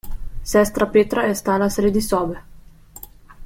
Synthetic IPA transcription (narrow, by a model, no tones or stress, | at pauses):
sɛst̪ɾapeːt̪ɾaɛst̪aːlasɾeːd̪isɔːve